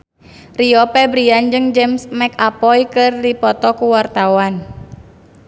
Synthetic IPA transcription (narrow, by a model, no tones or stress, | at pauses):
riɔpɛbɾiand͡ʒɨŋd͡ʒɛmsmɛkapɔjkɨrdipɔt̪ɔkuwart̪awan